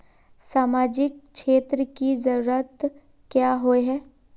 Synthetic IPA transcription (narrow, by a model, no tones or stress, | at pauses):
saːmaːd͡ʒɪk̚ʃeːt̪ɾəkizəɾuːɾət̪ | kjaːɦoeɦɛː